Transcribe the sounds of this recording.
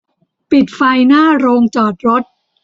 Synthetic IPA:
pi˨˩t̪̚fa˧jnaː˥˩ɾoː˧ŋt͡ɕɔː˨˩t̪̚ɾo˦˥t̪̚

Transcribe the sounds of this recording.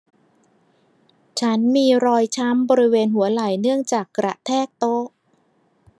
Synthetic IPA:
t͡ɕʰa˦˥nmiː˧ɾɔː˧jt͡ɕʰa˦˥mbɔː˧ɾi˦˥weː˧nɦu˩˦ɐla˨˩jnɯ˥˩əŋt͡ɕaː˨˩kːɾa˨˩t̪ʰɛː˥˩k̚t̪o˦˥ʔ

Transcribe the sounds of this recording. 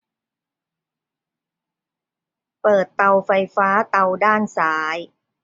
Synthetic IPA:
pɤː˨˩t̪ːa˧wfa˧jfaː˦˥t̪a˧wdaː˥˩nsaː˩˦j

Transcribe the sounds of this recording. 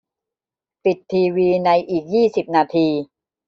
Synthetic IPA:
pi˨˩t̪ʰːiː˧wiː˧na˧jʔiː˨˩k̚jiː˥˩si˨˩p̚naː˧t̪ʰiː˧

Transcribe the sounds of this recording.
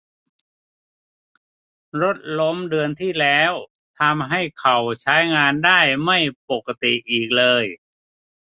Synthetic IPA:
ɾo˦˥t̪̚lo˦˥mdɯ˧ənt̪ʰiː˥˩lɛː˦˥w | t̪ʰa˧mɦa˥˩jkʰa˨˩wt͡ɕʰa˦˥jŋaː˧ndaː˥˩jma˥˩jpo˨˩kːa˧t̪i˨˩ʔiː˨˩k̚lɤː˧j

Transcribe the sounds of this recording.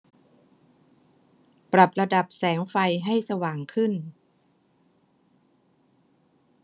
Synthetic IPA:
pɾa˨˩p̚la˧da˨˩p̚sɛː˩˦ŋfa˧jɦa˥˩jsa˧waː˨˩ŋkʰɯ˥˩n

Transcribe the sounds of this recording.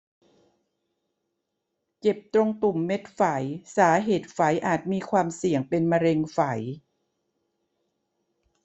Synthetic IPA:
ke˨˩p̚t̪ɾo˧ŋt̪u˨˩mːe˦˥t̪̚fa˩˦jsaː˩˦ɦeː˨˩t̪̚fa˩˦jʔaː˨˩t̪̚miː˧kʰwaː˧msi˨˩əŋpe˧nma˧ɾe˧ŋfa˩˦j

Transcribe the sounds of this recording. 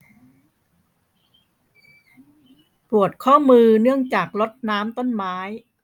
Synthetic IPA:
pu˨˩ət̪̚kʰɔː˥˩mɯː˧nɯ˥˩əŋt͡ɕaː˨˩k̚lo˦˥t̪̚naː˦˥mt̪o˥˩nmaː˦˥j

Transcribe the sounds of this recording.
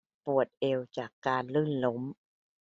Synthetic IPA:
pu˨˩ət̪̚ʔe˧wt͡ɕaː˨˩kːaː˧nlɯː˥˩nlo˧˦m

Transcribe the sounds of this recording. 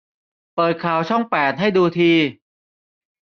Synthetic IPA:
pɤː˨˩t̪̚kʰaː˨˩wt͡ɕʰɔ˥˩ŋpɛː˨˩t̪̚ɦa˥˩jduː˧t̪ʰiː˧

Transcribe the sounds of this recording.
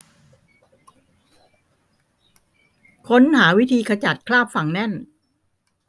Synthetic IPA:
kʰo˦˥nhaː˩˦wi˦˥t̪ʰiː˧kʰa˧t͡ɕa˨˩t̪̚kʰlaː˥˩p̚fa˨˩ŋnɛ˥˩n

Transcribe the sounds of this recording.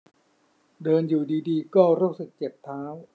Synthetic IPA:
dɤː˧njuː˨˩diː˧diː˧kɔː˥˩ɾu˦˥˩k̚sɯ˨˩k̚t͡ɕe˨˩t̪ʰːaː˦˥w

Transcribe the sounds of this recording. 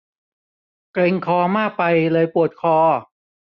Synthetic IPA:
kle˧ŋkʰɔː˧maː˥˩k̚pa˧jlɤː˧jpu˨˩ət̪̚kʰɔː˧

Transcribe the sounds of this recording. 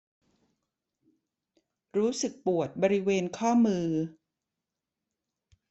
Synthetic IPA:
ɾuː˦˥sɯ˨˩k̚pu˨˩ət̪̚bɔː˧ɾi˦˥weː˧nkʰɔː˥˩mɯː˧

